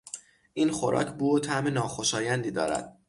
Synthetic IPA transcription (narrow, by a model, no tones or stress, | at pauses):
iːnxo̞ɾʔɒ̰ːcʰbuːot̪ʰæʔmenɒːxo̞ʃɒːjænd̪iːd̪ɒ̰ːɾæ̰d̪̥̚